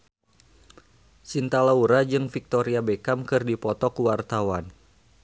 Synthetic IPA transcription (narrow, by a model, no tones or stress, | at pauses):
sint̪alauɾad͡ʒɨŋfik̚t̪oɾiabekamkɨrdipɔt̪ɔkuwart̪awan